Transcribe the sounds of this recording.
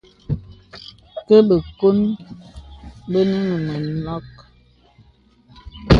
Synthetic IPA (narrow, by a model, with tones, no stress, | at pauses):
kə˦bə˨ko˦n | bə˦nə˦ŋə˨mə˨nɔ˦k